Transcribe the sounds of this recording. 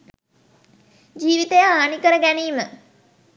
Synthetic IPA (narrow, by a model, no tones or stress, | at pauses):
d͡ʒiːʋit̪əjaaːnikəɾəɡæniːmə